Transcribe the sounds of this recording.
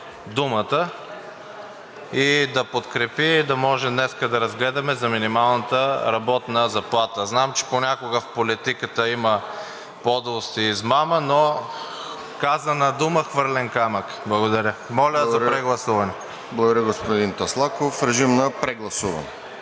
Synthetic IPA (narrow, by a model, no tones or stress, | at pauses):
d̪umət̪ə | id̪ɐpot̪kɾɛpid̪ɐmɔʒɛd̪nɛskəd̪ɐɾɐzɡlɛd̪ɐmɛzɐminimalˠnət̪əɾɐbɔt̪nəzɐplˠat̪əznamt͡ʃɛ̥ponʲakoɡəfpolit̪ikət̪əimə | pɔd̪vost̪iːzmaməno | kazənɐd̪uməxvɤɾlɛnkamək | blˠɐɡod̪ɐɾʲəmɔlʲəzɐpɾɛɡlˠɐsuvɐnɛ | blˠɐɡod̪ɾjəɡospod̪int̪oslˠakofɾɛʒimnɐpɾɛɡlˠɐsuvɐ̰nɛ